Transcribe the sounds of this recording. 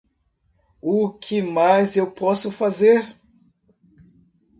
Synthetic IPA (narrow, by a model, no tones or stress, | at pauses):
ʊkʰɪmajzewpɔsʊfazeɾ